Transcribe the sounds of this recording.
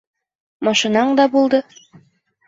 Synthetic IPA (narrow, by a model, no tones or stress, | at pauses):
mɑʃinɑɴd̪ɑbulˠd̪ɤ